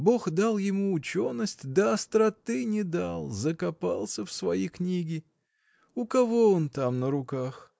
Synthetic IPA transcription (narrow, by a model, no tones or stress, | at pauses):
bo̞xd̪alˠjɪmuʊt͡ɕonːəsʲtʲd̪əɐst̪ɾɐt̪ɨnʲɪd̪alˠzəkɐpalˠsʲəfsvɐjiknʲiɡʲɪ | ʊkɐvo̞ont̪amnəɾʊkax